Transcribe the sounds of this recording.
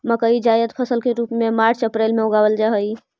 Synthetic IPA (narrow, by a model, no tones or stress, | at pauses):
məkəid͡ʒajət̪pʰəsəlkeɾupmemaɾt͡ʃəpɾelmeoɡabəld͡ʒaɦəj